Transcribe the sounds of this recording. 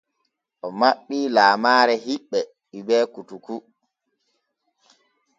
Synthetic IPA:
ʔɔmaɓːiːlaːmaːɾɛɦiɓːɛ | ɓibɛːkutuku

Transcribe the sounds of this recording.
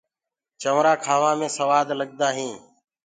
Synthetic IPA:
t͡ʃəʋɾaːkʰaːʋãːmẽːsəʋaːd̪ləɠd̪aːɦĩː

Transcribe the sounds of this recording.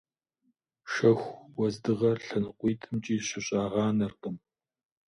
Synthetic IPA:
ʃɐxʷwɔzdɨʁɐrɬɐnɨqʷiːtʰɨmt͡ʃʼiːɕɪɕʼaːʁɑːnɐrqʼəm

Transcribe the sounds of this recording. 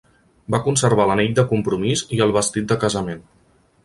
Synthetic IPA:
bakunsəɾβ̞aləniʎ̚d̪əkumpɾumiziəlˠβəst̪it̪̚d̪əkəzəmen

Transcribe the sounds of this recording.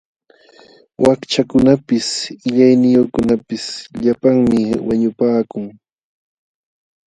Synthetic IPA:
wʔakt͡ʃakʊnapɪsɪʎajnɪjoχkʊnapɪsʎapaŋmɪwaɲʊpaːkʊŋ

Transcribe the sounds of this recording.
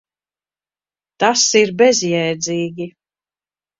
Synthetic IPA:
t̪asiɾbɛzjɛjd̪zʲiːɡʲi

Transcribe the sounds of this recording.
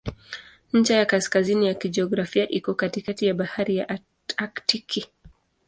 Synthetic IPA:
ɲ̩t͡ʃajakaskazinijakid͡ʒɛɔɡɾafiaʔikɔkatikatijaɓahaɾijaʔ | aktikʰi

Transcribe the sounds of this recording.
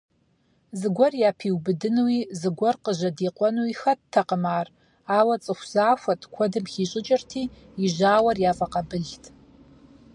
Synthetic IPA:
zɨɡʷɔrjaːpʰiwbɨdɨnwizɨɡʷɔrqəʒɐdiːqʷʼɔnuwixɐttʰːɐqəmaːr | aːwɐt͡sʼɨxʷz̥aːfʷɐtʰʼkʷʰɔdɨmχiːɕʼɪt͡ʃʼɪrtʰiː | iʒaːwɐrjaːfʼɐqɐbɨɮtʰʼ

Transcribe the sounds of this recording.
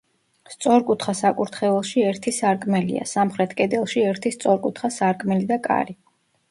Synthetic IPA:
st̪sʼɔɾkʼut̪ʰχasakʼuɾt̪ʰχɛvɛlˠʃiɛɾt̪ʰisaɾkʼmɛlḭa̰samχɾɛt̪ʰkʼɛd̪ɛlˠʃiɛɾt̪ʰist̪sʼɔɾkʼut̪ʰχasaɾkʼmɛlid̪akʼa̰ɾi

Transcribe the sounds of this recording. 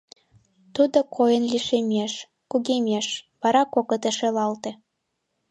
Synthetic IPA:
t̪ud̪okʰojənliʃemʲeʃ | kuɣemʲeʃβɑɾɑkokot̪əʃelɑlt̪ĕ

